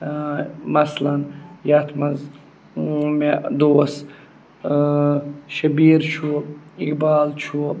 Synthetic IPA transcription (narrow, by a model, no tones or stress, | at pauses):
mɐslɐnjat̪ʰmɐz | med̪oːs | ʃɐbiːɾt͡ʃʰuikbaːlt͡ʃʰu